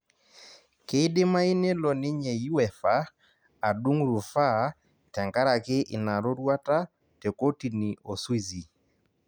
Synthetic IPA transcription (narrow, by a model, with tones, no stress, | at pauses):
ke˨˦dɪ˦ma˦i˦ne˦lɔ˨nɪ˦ɲe˨ju˦ɛ˨fa˦ | a˨du˦ŋɾu˨fa˦ | tɛ˨ŋka˦ɾa˨kɪ˦ʔɪ̰˨na˨ɾo˦ɾwa˦ta˦ | te˨ko˦ti˨ni˨o˨swi˦˨zi˨